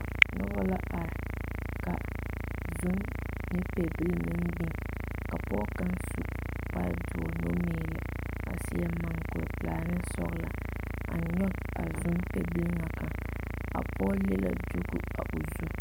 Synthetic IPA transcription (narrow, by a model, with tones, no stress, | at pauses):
nʊ˦ba˦la˦ʔa˨ɾka˨ | zʊ˦mnɨ˦pɛ˨bɨ˦lmɪ˦nbɪ˦ŋka˨pɔː˦ka˦nsu˦ʔpa˦dʊ˨ɔ˨no˦meeː˦lɪ˨a̰˨sɪ˦ja˦ma˨ŋkʊ˨ɾplaː˨nɨ˦sɔ̰˦ɣla˨a̰˨ɲɔ˦a̰˨zʊ˦mpɛ˦bɨ˦lŋa˨ka˨ŋa̰˨pɔ˦le˦la̰˦du˦ɡu˦a̰˨ʔu˨zu˦